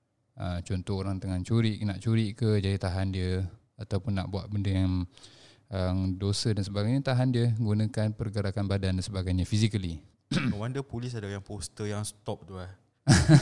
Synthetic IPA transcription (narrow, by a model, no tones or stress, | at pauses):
ʔəmt͡ʃɔnt̪ɔhoɾaŋt̪əŋant͡ʃuɾɪʔnaʔt͡ʃuɾiʔkəd͡ʒadit̪aɦandiə | at̪awpʊnːa̰ʔbua̰ʔ̪̚bəndəjaŋ | əŋdosədansəbaɡajɲət̪aɦandiəɡunə̃kanpərɡəɾakanbadandansəbaɡajɲafisikəli | wandəpulis̬adajaŋpost̪əjaŋst̪ɔp̚t̪ulah